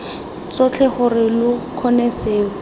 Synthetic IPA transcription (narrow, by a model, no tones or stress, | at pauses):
t͡sɔt͡ɬʰɛχʊrɪlʊkʰɔnɛseːʊ